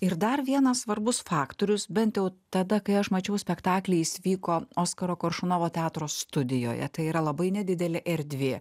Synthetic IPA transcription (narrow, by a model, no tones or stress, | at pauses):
ɪɾd̪ɐɾʋʲiɛnɐssʋɐɾbʊsfɑːkt̪oːɾʲʊsbʲɛnt̪jɛʊt̪ɐd̪ɐkɐɪɐʃmɐt͡ʃʲɛʊsʲpʲɛkt̪ɑːklʲɛɪɪsʲʋʲiːkoːoːskɐɾoːkoɾʃʊnoːʋoːt̪ʲɛɑːt̪ɾoːsːt̪ʊd̪ʲɪjo̰ːjɛ̰t̪ɐɪiːɾɐlˠɐbɐɪnʲɛd̪ʲɪd̪ʲɛlʲɪʔɛɾʲd̪ʲʋʲeː